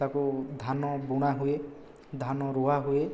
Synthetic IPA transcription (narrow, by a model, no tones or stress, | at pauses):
akud̪ʱanɔbuɽ̃aɦue | d̪ʱanɔɾuɦaɦue